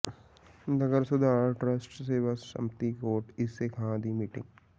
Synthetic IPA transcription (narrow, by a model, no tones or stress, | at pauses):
nɐɡəɾsʊd̪ʱaːʈɾəsʈseːʋasʃɐ̰̃mt̪ikoːʈɪsːekʰãd̪imiːʈɪ̰̃ŋɡ